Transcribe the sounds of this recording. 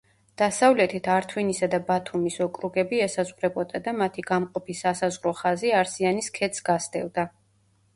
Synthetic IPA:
d̪̥asavlɛt̪ʰit̪ʰaɾt̪ʰwinisad̪abat̪ʰumisɔkʼɾuɡɛbiɛsazʁɾɛbɔd̪ad̪amat̪ʰiɡamqʼɔpʰisasazʁɾɔχaziaɾsianiskʰɛt̪sɡasd̪ɛ̰lˠd̪a

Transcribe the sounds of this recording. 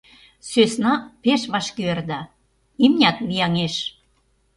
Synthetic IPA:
søsnɑpeʃβɑʃkyerd̪ɑ | imnʲɑt̪βijɑŋeʃ

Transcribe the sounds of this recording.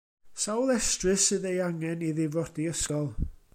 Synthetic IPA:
sawlˠɛstrɨsɨðejaŋɛniðɪvɔdiəskɔlˠ

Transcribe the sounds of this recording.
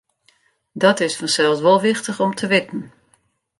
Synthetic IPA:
dɔtɪsfɔnsɛlˠsʋɔlˠʋɪxtəxɔmtʰəʋɪtn̩

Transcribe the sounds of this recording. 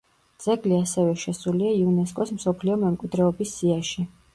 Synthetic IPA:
d̪z̥ɛɡliasɛvɛʃɛsuliaiunɛskʼɔsmsɔpʰliɔmɛmkʼwid̪ɾɛɔbisːiaʃi

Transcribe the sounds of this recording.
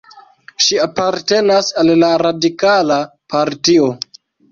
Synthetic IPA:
ʃiapaɾte̞nasalːaɾadikalapaɾtio

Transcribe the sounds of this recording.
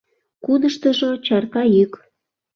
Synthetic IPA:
kunəʃt̪əʒot͡ɕɑrkɑjyk

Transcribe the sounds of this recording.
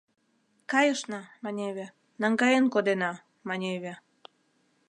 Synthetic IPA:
kɑjəʃnɑmɑnʲeβʲe | nɑŋɡɑjenkod̪enɑ | mɑnʲeβʲe

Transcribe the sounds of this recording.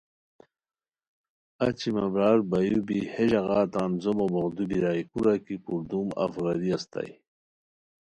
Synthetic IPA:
at͡ɕimabɾaːɾbajubiheʑɐɣɑːt̪aːnzomobɐɣd̪ubiɾaːjkuɾakipuɾd̪uma̰fɣaɾiast̪a̰j

